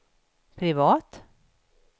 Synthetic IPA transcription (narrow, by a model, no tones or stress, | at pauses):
pʰɾɪvɑːt̪